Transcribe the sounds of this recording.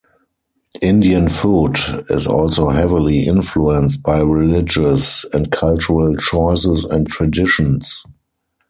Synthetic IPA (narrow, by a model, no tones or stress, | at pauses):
ʔɪ̃ndiə̃nfuːtɪ̰sɔ̰lsoʊhɛvɪliʔɪ̃nfluɛ̃nst̚baɪɹilɪd͡ʒəsɛ̃ntkʰalt͡ʃuɹəlt͡ʃɔɪsɪsɛ̰̃ntʰɹadɪʃə̃ns